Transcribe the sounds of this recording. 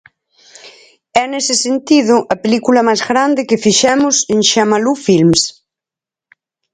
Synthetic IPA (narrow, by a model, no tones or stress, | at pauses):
ɛnesɪsent̪ið̞ʊʔɐpelikulɐmajzɣɾand̪ɪkɪfiʃɛmʊsẽŋʃamalufilms